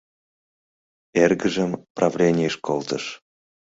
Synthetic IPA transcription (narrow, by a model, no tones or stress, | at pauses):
erɡəʒəmprɑvlʲenʲijəʃkolt̪əʃ